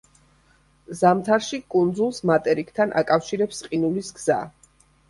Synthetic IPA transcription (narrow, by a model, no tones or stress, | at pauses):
zamt̪ʰaɾʃikʼund̪zulˠsmat̪ʼɛɾikʰt̪ʰanʔa̰kʼafʃiɾɛpsqʼinulisɡz̥a̰